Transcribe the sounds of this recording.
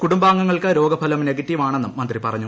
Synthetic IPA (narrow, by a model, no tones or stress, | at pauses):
kuɽumbaːŋːɐŋːɐɭkɐɾo̞ːɡɐpʰɐlɐmne̞ɡɐtːiʋaːɳe̞nːumːɐnd̪ripɐrɐɲːu